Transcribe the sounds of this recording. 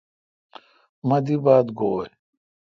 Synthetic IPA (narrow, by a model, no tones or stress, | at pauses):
mɐd̪ibaːd̪ɡoːe